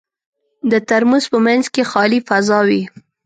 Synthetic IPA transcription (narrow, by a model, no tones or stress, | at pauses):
d̪ət̪aɾmuzpəmanzkexɑlifazɑwi